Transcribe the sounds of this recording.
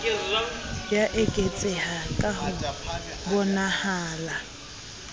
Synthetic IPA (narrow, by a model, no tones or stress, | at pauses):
d͡ʒaʔekʼet͡sʼɪhakʼahʊbɔnahaːla